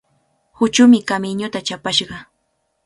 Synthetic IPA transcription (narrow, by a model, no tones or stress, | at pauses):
hʊt͡ʃʊmɪkamɪɲʊt̪at͡ʃapaʃɢɑ